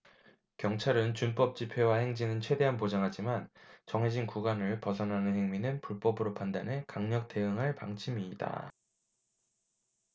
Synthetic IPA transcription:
kjʌŋt͡ɕʰaɾɯnt͡ɕunp͈ʌp̚t͡ɕ͈ipʰe̞waheŋd͡ʑinɯnt͡ɕʰwe̞de̞ɦanpod͡ʑaŋɦad͡ʑimant͡ɕʌŋɦe̞d͡ʑinkuɡanɯɭpʌsʰʌnɦanɯnhe̞ŋminɯnpuɭp͈ʌbɯɾopʰandanɦe̞kaŋɲʌk̚t͈e̞ɯŋɦaɭpaŋt͡ɕʰimiːda̰

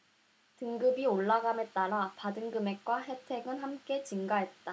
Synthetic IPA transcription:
tɯŋɡɯbioɭːaɡamet͈aɾapadɯŋɡɯme̞k̚k͈waɦe̞tʰe̞ɡɯnhamk͈e̞t͡ɕiŋɡaɦe̞t̚t͈a

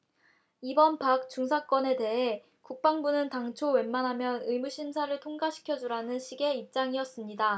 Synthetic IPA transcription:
ibʌnpak̚t͡ɕ͈uŋsʰak͈wʌne̞te̞ɦe̞ | kuk̚p͈aŋbunɯntaŋt͡ɕʰowe̞nmːanɦamjʌnɯjmuɕʰimsʰaɾɯɭtʰoŋɡaɕʰi̥kʰjʌd͡ʑuɾanɯnɕʰiɡe̞ip̚t͡ɕ͈aŋiʌs͈ɯmɲida

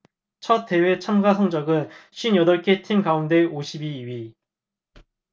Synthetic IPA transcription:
t͡ɕʰʌt͈̚ʰːe̞we̞t͡ɕʰamɡasʰʌŋd͡ʑʌɡɯnɕʰɥinjʌdʌɭk͈ʰetʰiŋkaunde̞oɕʰibiːɥi

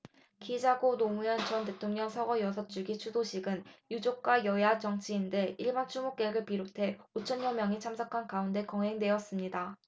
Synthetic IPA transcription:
kid͡ʑaɡonomujʌnt͡ɕʌnte̞tʰoŋɲʌŋsʰʌɡʌjʌsʰʌt͡ɕ͈uɡit͡ɕʰudoɕʰiɡɯnjud͡ʑok̚k͈wajʌjat͡ɕʌŋt͡ɕʰiːnde̞iɭmant͡ɕʰumok͈eɡɯɭpiɾotʰe̞ot͡ɕʰʌnjʌmjʌŋit͡ɕʰamsʰʌkʰankaunde̞kʌŋɦe̞ŋdwe̞ʌs͈ɯmɲida

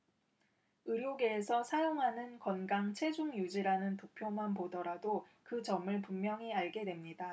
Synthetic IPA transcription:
ɯɾjoɡe̞ːsʰʌsʰajoŋɦanɯnkʌnɡaŋt͡ɕʰwe̞d͡ʑuŋjud͡ʑiɾanɯntopʰjomanpodʌɾadokɯt͡ɕʌmɯɭpumːjʌŋiaɭɡe̞dwe̞mɲida

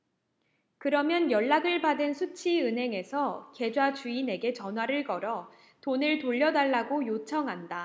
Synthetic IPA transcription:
kɯɾʌmjʌnjʌɭːaɡɯɭpadɯnsʰut͡ɕʰiɯnɦe̞ŋe̞sʰʌke̞d͡ʑwat͡ɕuine̞ɡe̞t͡ɕʌnɦwaɾɯɭkʌɾʌ | tonɯɭtoʎːʌdaɭːaɡojot͡ɕʰʌŋɦanda

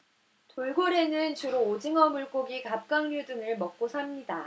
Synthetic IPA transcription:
toɭɡoɾe̞nɯnt͡ɕuɾoːd͡ʑiŋʌmuɭk͈oɡikap̚k͈aŋɲudɯŋɯɭmʌk̚k͈osʰamɲida

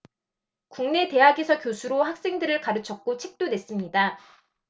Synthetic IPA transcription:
kuŋne̞te̞ɦaɡesʰʌkjosʰuɾohak̚s͈e̞ŋdɯɾɯɭkaɾɯt͡ɕʰʌk̚k͈ot͡ɕʰek̚t͈odwe̞s͈ɯmɲida

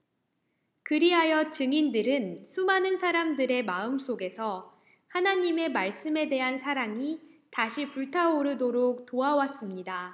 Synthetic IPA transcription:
kɯɾiɦajʌt͡ɕɯŋindɯɾɯnsʰumanɯnsʰaɾamdɯɾe̞maɯms͈ʰoɡe̞sʰʌ | hanaɲime̞maɭs͈ɯme̞de̞ɦansʰaɾaŋitaɕʰipuɭtʰaoɾɯdoɾok̚toawas͈ɯmɲida

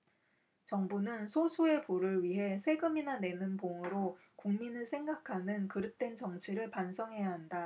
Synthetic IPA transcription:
t͡ɕʌŋbunɯnsʰosʰue̞poɾɯɭɥiɦe̞sʰe̞ɡɯminane̞nɯnpoŋɯɾo | kuŋminɯɭsʰe̞ŋɡakʰanɯnkɯɾɯt̚t͈we̞nt͡ɕʌŋt͡ɕʰiɾɯɭpansʰʌŋɦe̞jaɦanda

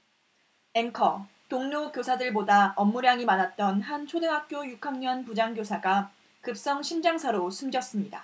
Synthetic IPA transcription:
e̞ŋkʰʌ | toŋnokjosʰadɯɭbodaʌmːuɾjaŋimanat̚t͈ʌnhant͡ɕʰodeŋɦak̚k͈jojukʰaŋɲʌnpud͡ʑaŋɡjosʰaɡa | kɯp̚s͈ʌŋɕʰimd͡ʑaŋsʰaɾosʰumɡjʌs͈ɯmɲida̰

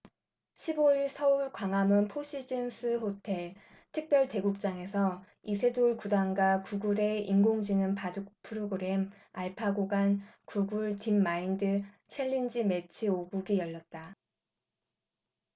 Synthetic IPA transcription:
ɕʰiboiɭsʰʌuɭkwaŋɦamɯnpʰoɕ͈ʰid͡ʑinsʰɯɸotʰe̞ɭ | tʰɯk̚p͈jʌɭte̞ɡuk̚t͡ɕ͈aŋe̞sʰʌ | isʰe̞duɭkudaŋɡakuɡuɾe̞iŋɡoŋd͡ʑinɯnpadukpʰɯɾoɡɯɾe̞m | aɭpʰaɡoɡankuɡuɭtimːaindɯ | t͡ɕʰe̞ʎːind͡ʑime̞t͡ɕʰioɡuɡijʌɭːʌt̚t͈a

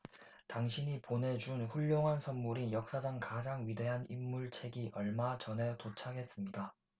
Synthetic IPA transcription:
taŋɕʰiɲipone̞d͡ʑunɸuʎːoŋɦansʰʌnmuɾijʌk̚s͈ad͡ʑaŋkad͡ʑaŋɥide̞ɦanḭmːuɭt͡ɕʰe̞ɡiʔʌɭmat͡ɕʌne̞tot͡ɕʰaɡe̞s͈ɯmɲida

